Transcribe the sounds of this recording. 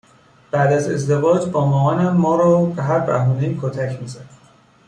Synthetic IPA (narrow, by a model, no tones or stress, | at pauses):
b̥æʔd̪æze̞̰zd̪e̞vɒːd͡ʒbɒːmɒːɒːnæːɒːɾɒːbeɦæɾbæ̰ɦuːnejkʰot̪ʰæcʰmiːzæd̪